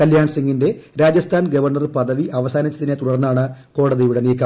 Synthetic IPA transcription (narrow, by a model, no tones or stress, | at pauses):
kɐljaːɳsiŋɡinde̞ɾaːd͡ʑɐst̪ʰaːnɡɐʋɐrɳɐrɨpɐðɐʋiʔɐʋɐsaːnit͡ɕːɐðinet̪uɽɐrnːaːɳɨko̞ːɽɐðijuɽe̞niːkːɐ